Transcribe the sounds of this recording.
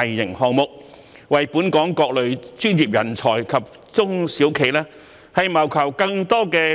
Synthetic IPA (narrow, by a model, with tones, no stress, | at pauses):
jːɪ˨˩ŋhɔː˨ŋmʊ˨k̚ | wɐ˨jpuː˨˥nkɔː˨˥ŋkɔː˧k̚lɵ˨˧ɥt͡ʃyː˥njiː˨p̚jɐ˨˩nt͡sʰɔː˨˩jkʰɐ˨p̚ | t͡sʊ˥ŋsiː˨˥wkʰe˨jlaː˥ | hɐ˨jmɐ˨˩wkʰɐ˨˩wkɐ˧ŋt̪ɔː˥kɛː˧